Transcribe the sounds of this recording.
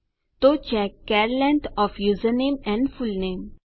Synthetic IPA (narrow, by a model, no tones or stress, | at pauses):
t̪ot͡ʃɛkːɛɾlɛ̃ɳʈɔfjuzənẽːmɛ̃ɳɖfulnẽːm